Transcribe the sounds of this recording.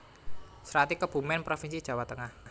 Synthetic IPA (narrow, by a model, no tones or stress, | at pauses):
sɾat̪ikəb̥ṳmɛnpɾofinsi̥ʒ̥a̤wat̪əŋah